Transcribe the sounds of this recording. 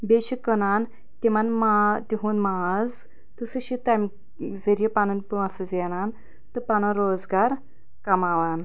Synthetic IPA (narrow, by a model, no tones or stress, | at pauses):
beɕikənan | t̪imanmat̪iɦuːnmad͡z | t̪əsəɕit̪am | d͡zəɾjepanənpuasəd͡zɛnan | t̪əpanãɾod͡zɡaɾ | kamaʋan